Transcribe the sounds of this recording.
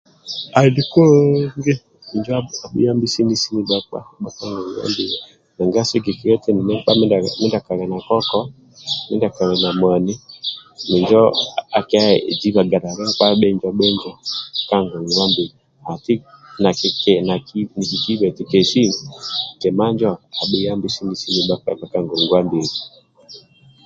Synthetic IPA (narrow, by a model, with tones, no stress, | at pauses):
a˨i˨di˨˦ko˦ŋɡe˦˨ | d͡ʒa˦a˨ɓḭ˦ja˦mbi˦si˦ni˨si˦i˦ɓa˨k͡pa̰˦ɓa˦ka˦ŋɡɔ˨ŋi˨wa̰˦mbi˨li˨ | na˨ŋɡa˦si˦ki˨ki˨ɾɔ˦tɛ˦ni˨mɛ˦ɓa˦mi˦da˨mi˦nda˨ka˨ɣɛ˨na˨kɔ˦kɔ˦ | mi˦nda˨ka˨ɾɛ˨na˨mwa˨ni˦mi˨ɲd͡ʒɔ˦a˨kɛ˦a˦˨d͡ʒi˦βa˨ɡa˨ɾa˨ɾa˦k͡pa˦ɓɛ˦ɲd͡ʒa˨ɓɛ˦ɲd͡ʒa˨ka˦ŋɡɔ˨ŋ˨ɡwa˦mbi˨ɾi˨ | a˨ti˦na˨kkɛ˨na˨ki˦ni˨ki˨ki˦βɛ˨ti˨kɛ˨ʃi˦˨kɛ˨ma˦ɲd͡ʒɔ˦a˨ɓi˨ja˦mbi˨si˦ni˨si˦ni˨ɓa˦ka̰˨ɓa˨ka˦ŋɡɔ˨ŋɡwa˦mbi˨ɾi˨